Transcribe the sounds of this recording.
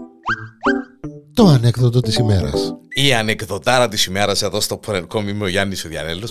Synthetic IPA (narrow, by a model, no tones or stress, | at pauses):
t̪oɐnekðot̪̬ot̪isimeɾɐ̰siɐnekðot̪ɐɾɐt̪isime̞ɾɐse̞ðo̞st̪opʰoɾeɾkomimeoʝɐnːisuðjɐ̰nelːos